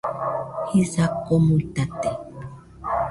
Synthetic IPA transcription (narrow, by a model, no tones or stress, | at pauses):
hisakomuit̪at̪e